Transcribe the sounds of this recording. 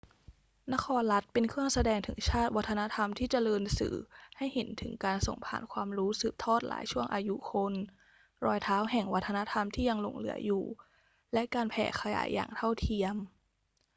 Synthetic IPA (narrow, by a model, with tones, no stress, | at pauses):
na˦˥kʰɔː˧nla˦˥t̪̚pe˧nkʰɯ˥˩əŋsa˧dɛː˧ŋt̪ʰɯ̰˩˦ŋt͡ɕʰaː˥˩t̪̚wa˦˥t̪ʰːa˧na˦˥t̪ʰa˧mt̪ʰiː˥˩t͡ɕa˨˩lɤː˧nsɯ̰ː˩˦ha˥˩jhe˩˦nt̪ʰɯ̰˨˩˦ŋkaː˧nso̰˨˩ŋpʰa̰ː˨˩nkʰwaː˧mɾuː˦˥sɯː˨˩p̚t̪ʰɔː˥˩t̪̚la̰ː˩˦jt͡ɕʰu˥˩əŋʔaː˧ju˦˥kʰo˧n | ɾɔː˧jt̪ʰaː˦˥wɦɛ˨˩ŋwa˦˥t̪ʰːa˧na˦˥t̪ʰa˧mt̪ʰiː˥˩ja˧ŋlo̰˧˩ŋlɯ̰˩˦ɐjuː˨˩ | lɛ˦˥ʔkaː˧npʰɛ̰ː˨˩kʰa˧ja̰ː˩˦jːʔa̰ː˨˩ŋt̪ʰa˥˩wt̪ʰi˧əm